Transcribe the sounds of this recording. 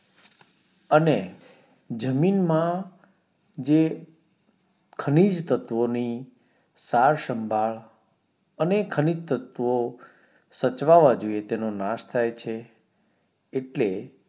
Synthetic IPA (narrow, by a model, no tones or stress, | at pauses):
əne | d͡ʒəminmã | d͡ʒe | kʰənid͡ʒt̪ət̪ʋoni | saɾʃəmbʱaɭ | ənekʰənid͡ʒt̪ət̪ʋo | sət͡ʃʋaʋad͡ʒoiet̪enonaʃt̪ʰajt͡ʃʰe | ʈle